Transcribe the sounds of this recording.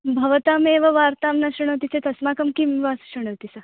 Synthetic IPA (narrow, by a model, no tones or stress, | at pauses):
bʱəʋt̪ameʋəʋaɾt̪amnaɕuɽ̃əʋt̪̬it͡set̪əsmakəmkimiʋasɕuɽ̃əʋt̪isa